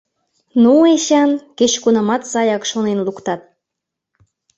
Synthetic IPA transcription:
nueɕɑnket͡ɕkunɑmɑt̪sɑjɑkʃonenlukt̪ɑt̪̚

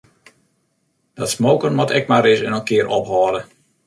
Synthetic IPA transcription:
d̥ɔtsmoːkənʋɔtɛk̚marɪsənənkɪəɾʔɔpɦɔːdə

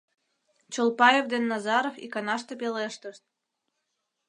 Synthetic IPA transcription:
t͡ɕolˠpɑjevd̪enːɑzɑɾofḭkɑnɑʃt̪epeleʃt̪əʃt̪̚

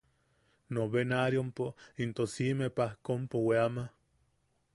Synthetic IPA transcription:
noβenaɾjompoint̪osimepahkompoweama

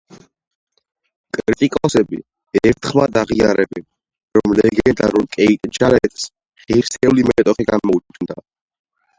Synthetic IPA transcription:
kʼɾɾit̪ʼikʼɔsɛbḭ | ɛɾt̪ʰχmad̪aʁiaɾɛbɛ | ɾɔmlɛɡɛd̪aɾɔlkʼɛit̪ʼd͡ʒalɛt̪s | χiɾsɛulimɛt̪ʼɔχiɡamɔut͡ʃknd̪a̰

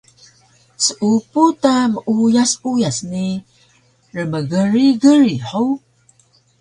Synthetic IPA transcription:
səʔuput̪aməʔujasujasni | rəməɡəɾiɡəɾiħow

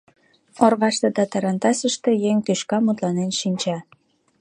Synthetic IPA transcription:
orβɑʃt̪et̪ɑt̪ɑɾɑnt̪ɑsəʃt̪ejeŋt̪yʃkɑmut̪lɑnenʃinʲt͡ɕɑ

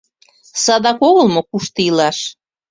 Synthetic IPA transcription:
sɑd̪ɑkoɣəlmokuʃt̪əilɑʃ

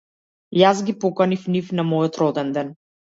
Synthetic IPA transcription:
jazɡipɔkanifnifnamɔjɔt̪ɾɔd̪ɛnd̪ɛn

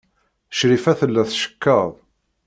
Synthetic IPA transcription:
ʃɾifæθəlːæθʃə̥kːəðˤ

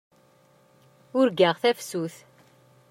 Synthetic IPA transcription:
ʊɾɡəʁθæfsuθ

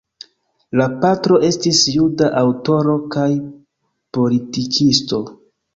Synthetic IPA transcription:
lapatɾo̞ʔe̞stisjudaʔawto̞ɾo̞kaj | po̞litikʰisto̞

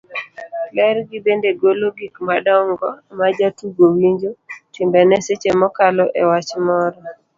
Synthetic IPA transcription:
lɛɾɡɪbendeɡoloɡikmadɔŋɡɔmad͡ʒatuɡowiɲd͡ʒotɪmbɛnɛset͡ʃemɔkalɔʔewat͡ʃmɔɾɔ

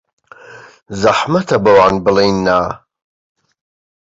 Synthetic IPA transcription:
zaħmɐt̪ʰɐbɐwaːnbɨlejnːaː

